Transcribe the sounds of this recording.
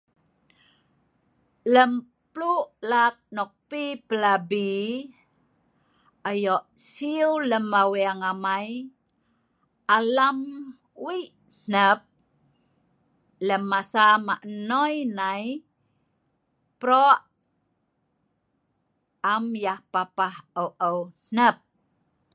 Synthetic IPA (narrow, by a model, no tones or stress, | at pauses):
ləm | pluʔlak̚nɔk̚pipəlabi | ajɔʔsiuləmaweaŋamaj | alam | wiʔ | n̥əp̚ | ləmːasamaʔnɔjnaj | pɾɔʔ | amjahpapahəwʔəwn̥əp̚